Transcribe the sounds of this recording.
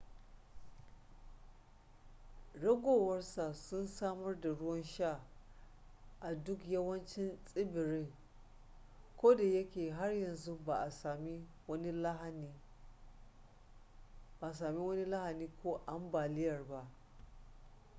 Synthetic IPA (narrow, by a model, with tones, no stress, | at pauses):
ɽɐ˦ɡʷoː˨wɐ˦rsa˨sʊ˦nsaː˦mɐ˦rda˨ɽʊ˦wɐ˦nʃa˦˨ | ʔa˨dʊ˦kjɐ˦wɐ˦nt͡ʃɪ˦nsʼɪ˦bɪ˨ɾɪ˦ŋ | kʷoː˦da˨jɐ˦kʲeː˨ɦa˦rjɐ˨nzu˦ba˨ʔa˨saː˨mi˦ | wɐ˦ni˦la˦ha˨ni˦ | ba˨ʔa˨s̬aː˨mi˦wɐ˦ni˦la˦ha˨niː˦kʷoː˦ʔa˦mbaː˨lɪ˦jɐ˨rba˦ʔ